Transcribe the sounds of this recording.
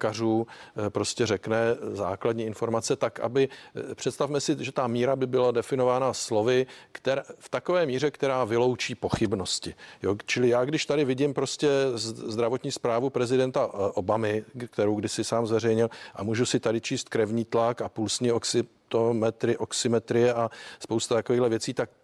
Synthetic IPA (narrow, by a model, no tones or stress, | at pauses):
karuːpɾo̞scɛrɛknɛza̰ːkladɲiːɪnfo̞ɾmat͡sɛt̪aka̰bɪpr̝̥ɛt̪st̪afmɛsɪʒɛt̪amiːɾabɪbɪladɛfɪnovaːnaslo̞vɪkt̪ɛɾaft̪ako̞vɛːmiːrɛkt̪ɛɾaːvɪlo̞wt͡ʃiːpo̞xɪbno̞scɪjoːt͡ʃɪlɪjaːɡdɪʃt̪adɪvɪɟɪmpɾo̞scɛzd̪ɾavot̪ɲiːspɾaːvupɾɛzɪdɛnt̪aʔo̞bamɪkt̪ɛɾowɡdɪsɪsaːmzvɛrɛjɲɪlʔa̰muːʒusɪt̪adɪt͡ʃiːst̪kɾɛvɲiːt̪lakapuːlsɲɪoksɪ | t̪omɛt̪ɾɪʔoksɪmɛt̪ɾɪjɛʔaspowst̪at̪akoviːɦdlɛvjɛt͡siːt̪ak̚